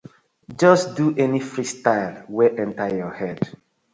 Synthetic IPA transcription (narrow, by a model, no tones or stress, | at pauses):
d͡ʒɔsduʔɛnifɹistaɪlwɛʔɛ̃ntajɔhɛd